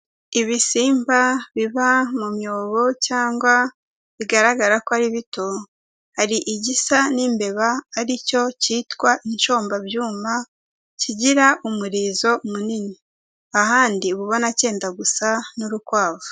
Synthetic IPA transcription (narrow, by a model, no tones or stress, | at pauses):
iβisiːmbaβiβamumjo̞ːβo̞caːŋɡwa | βiɡaɾaɡaɾakoaɾiβito̞ | haɾiʔiɟisanimbe̞βaːɾico̞ciːtkwaʔinʃo̞ːmbabjuːma | ciɟiɾaʔumuɾiːzo̞munini | ahaːndiβuβonace̞ːndaɡusanuɾukwaːvu̥